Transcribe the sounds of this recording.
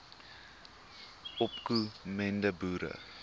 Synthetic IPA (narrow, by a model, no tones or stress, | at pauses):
ɔpkumɛndəbuːɾə̰